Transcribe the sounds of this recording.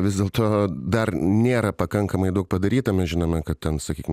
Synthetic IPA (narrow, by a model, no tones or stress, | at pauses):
ʋʲɪzd̪ʲeːlˠt̪oːd̪ɐrnʲeːɾɐpɐkɐŋkɐmɐɪd̪ɐʊk̚pɐd̪ɐɾʲiːt̪ɐmʲɛsʒʲɪnoːmʲɛkɐt̪̚tʲɛnsɐkʲiːkʲɪm